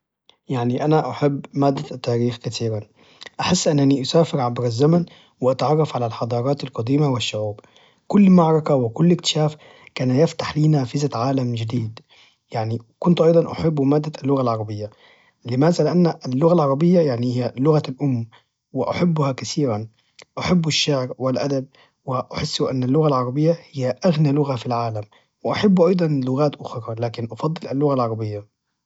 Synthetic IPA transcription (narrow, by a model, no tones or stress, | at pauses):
jaʕniʔanaʔaħabːmaːd̪ːat̪ːaːɾiːxkat̪iːɾan | ʔaħɪsːʔɪnːaniʔʊsaːfɪɾʕabɾazːaman | wɪʔat̪aʕɑrˤːɑfʕalalħɑd̪ˤɑːɾˤɑːt̪alqɑd̪iːmawɪʃːʊʕuːb | kʊlːmaʕɾˤɑkawɪkʊlːʔɪkt̪ɪ̥ʃaːf | kaːnjɪft̪ḁħliːnaːfɪzaʕaːlamd͡ʒɪd̪iːd̪ | jaʕnikʊnt̪ʔɑjd̪ˤɑnʔa̰ħɪbːmaːd̪ːalːʊɣalʕɑɾˤɑbɪjːa | lɪmaːzalɪʔanːlːʊɣalʕɑɾˤɑbɪjːajaʕnihɪjːalʊɣalʔʊmː | wɪʔa̰ħabːʊhakaθiːɾan | ʔaħabːɪʃːɪʕɾwɪlʔad̪ab̚ | wɪʔaħɪsːuʔanːalːʊɣalʕɑɾˤɑbɪjːahɪjːaʔaɣnijalʊɣafilʕaːlam | wɪʔaħabːʔɑjd̪ˤɑnlʊɣaːt̪ʔʊxɾˤɑlaːkɪnʔɑfɑd̪ˤːɨlalːʊɣalʕɑɾˤɑbɪjːa